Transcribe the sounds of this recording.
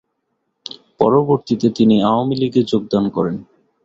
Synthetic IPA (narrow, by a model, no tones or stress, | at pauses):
pɔɾoboɾt̪it̪et̪iniaoamiliɡed͡ʑoɡ̚d̪ankɔɾen